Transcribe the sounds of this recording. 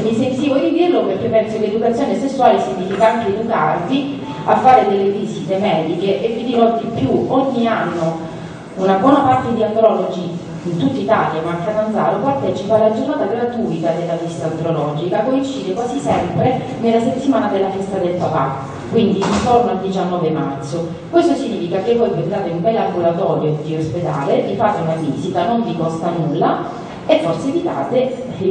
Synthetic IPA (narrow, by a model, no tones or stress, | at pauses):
misensiːvod̪id̪irloperk̟ːepːɛnsoled̪ukat̪sːjoːnesesːuwaːlesint̪ifikaaŋk̟eːd̪uka̰rt̪i | afːaːɾed̪elːevisit̪emɛːd̪ikeʔekːwind̪inod̪ipːjuoɲːianːo | unabwɔːnapart̪ed̪iand̪ɾɔlod͡ʒi | int̪ut̪ːait̪a̰ljamaŋk̪ad̪and̪za̰ːɾopart̪ɛːt͡ʃipalːad͡ʒornaːt̪aɡ̪ɾat̪uik̪ad̪elːavist̪and̪ɾolɔd͡ʒikakoint͡ʃːiːd̪ekwazisɛmpɾe | nelːaset̪ːimaːnad̪elːafɛst̪ad̪elpapa | kwind̪iːnt̪ornoald̪it͡ʃanːɔːvemart̪so | kwest̪osiɲːiːfikakevːɔjpenaːt̪eumbɛlːamɡulat̪ɔːɾjod̪iosped̪a̰ːled̪ifaːt̪ːeunavḭːzit̪anoɱvikɔst̪anulːa | efːorseevit̪a̰ːt̪e